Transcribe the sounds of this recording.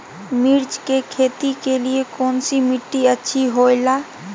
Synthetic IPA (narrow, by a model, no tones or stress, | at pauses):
miɾd͡ʒkekʰet̪ikeliekoːnsimiʈːiətːʃʰiɦojla